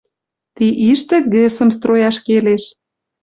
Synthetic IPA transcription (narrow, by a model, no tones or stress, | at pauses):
t̪iʔiʃt̪ĕɣesə̆mst̪rojɑʃkeleʃ